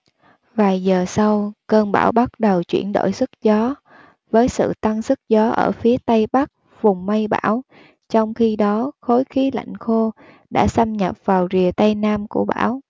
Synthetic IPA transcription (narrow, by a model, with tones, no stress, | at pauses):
vaː˨˩jzəː˨˩sa˧wkəː˧nɓa̰ː˧˩wɓa˦˥t̚ɗə˨˩wt͡ɕwḭ˧˩ənɗo̰˧˨jsɨ˦˥k̚zɔ˨˦ | vəː˨˦jsɨ̰˧˨t̪a˧ŋsɨ˦˥k̚zɔ˨˦ʔə̰ː˧˩fi˨˦ət̪ə˧jɓa˦˥k̚ | vʊ˨˩ŋ͡mmə˧jɓa̰ː˧˥˩w | t͡ɕɔ˧wŋ͡mxi˧ɗɔ˨˦xo˨˦jxi˨˦la̰˧˨jŋ̟xo˧ | ɗa̰ː˧˥sa˧mɲə˨˩p̚vaː˨˩wzi˨˩ət̪ə˧jnaː˧mku˧˩əɓa̰ː˧˥˨w